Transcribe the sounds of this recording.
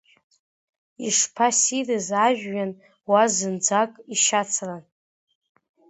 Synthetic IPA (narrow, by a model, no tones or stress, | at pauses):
iʂpʰasirɨzaʒᶣːan | wazɨnd͡zakʼiʃat͡sʰran